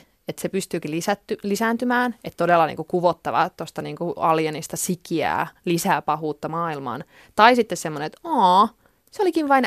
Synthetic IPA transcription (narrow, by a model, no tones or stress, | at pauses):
et̪sepyst̪yːkilisæt̪ːylisæːnt̪ymæːnʔet̪t̪odelːɑnḭːŋkukuʋot̪ːɑʋɑ̰t̪ost̪ɑniːŋkuɑljenist̪ɑsikiæ̰ːlisæːpɑɦuːt̪ːɑmɑːilmɑ̰ːn | t̪ɑisit̪ːessemːoneet̪ɑ | seolikiʋʋɑin